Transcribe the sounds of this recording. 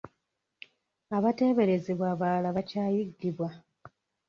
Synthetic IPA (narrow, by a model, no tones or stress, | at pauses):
aβate̞ːβe̞ɾe̞ziβwaːβaːlaβacaːjiɡːiβwa